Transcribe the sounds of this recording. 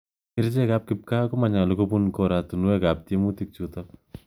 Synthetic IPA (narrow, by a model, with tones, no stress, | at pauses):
ɪ˦ɾt͡ʃɛ˦ka˦p̚kɪ˨p̚ka˦ko˦ma˨ɲa˨lo˦ko˦pu˦nkɔ˦ɾa˨tu˨nu˦wɛ˦ka˨p̚te˦mu˦ti˦k̚t͡ʃu˦tap̚